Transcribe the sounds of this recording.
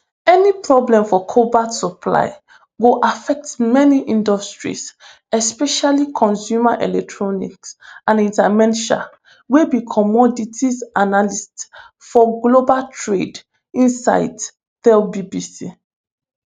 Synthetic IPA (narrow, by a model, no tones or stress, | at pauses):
ɛnipɹɔblɛ̃mfɔkʰobatsɔpʰla̰ɪ | ɡoʔafɛk̚tmɛniʔĩndɔstɹḭs | ɛspɛʃalikʰɔ̃nsjumaʔɛlɛk̚tʰɹɔnḭksãnĩntamɛ̃nʃa̰ | webikʰɔmɔditʰisanalist | fɔɡlobaltʰɹed | ĩnsa̰ɪd | θɛlbibisi